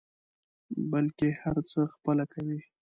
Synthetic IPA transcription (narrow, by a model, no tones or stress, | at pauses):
balkehaɾt͡səxpəlakawi